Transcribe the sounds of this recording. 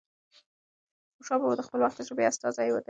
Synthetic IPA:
ʊʃɑbood̪əxpəlwaxt̪azɾobeast̪ɑzajwəd̪

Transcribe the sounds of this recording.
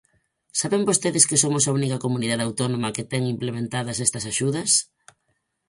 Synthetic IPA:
saβeŋbost̪eðɪskɪsomʊsaunikɐkomuniðaðeawt̪onomɐket̪ɛŋimplemẽnt̪aðɐsɛst̪ɐsaʃuðɐs

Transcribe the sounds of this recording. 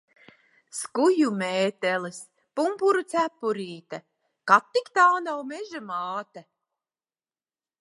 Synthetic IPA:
skujumeːt̪ɛlis | pumpuɾut̪sæpːuɾiːt̪a | kat̪ːikt̪aːnawmeʒamaːt̪a

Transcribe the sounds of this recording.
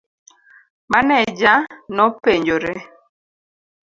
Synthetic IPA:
manɛd͡ʒanɔpeɲd͡ʒoɾe

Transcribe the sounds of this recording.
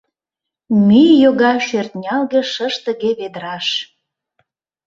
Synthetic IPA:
mijjoɣɑʃørt̪nʲɑlɣĕʃəʃt̪ə̆ɣeβed̪əɾɑʃ

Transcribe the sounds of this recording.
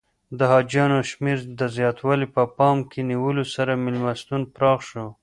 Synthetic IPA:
d̪əɦɑd͡ʒjɑnoʃmiɾd̪əzjɑt̪wɑlipəpɑmkʰeniwəlosaɾamɪlmast̪unpɾɑxʃo

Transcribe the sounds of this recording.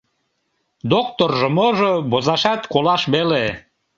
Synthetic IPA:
d̪ok̚t̪orʒəmoʒobozɑʃɑt̪kolɑʃβele

